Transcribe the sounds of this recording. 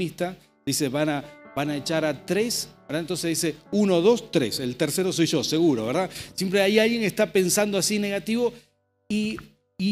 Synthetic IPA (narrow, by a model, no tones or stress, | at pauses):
ist̪a | d̪̥ise̞βanaβanaet͡ʃaɾat̪ɾesbeɾðant̪o̞nseðise̞unoðo̞st̪ɾeselt̪eɾseɾo̞so̞jʒo̞se̞ɣuɾoβeɾðasjempɾeajalɣje̞ŋest̪ape̞nsand̪oasine̞ɣat̪iβo̞ | i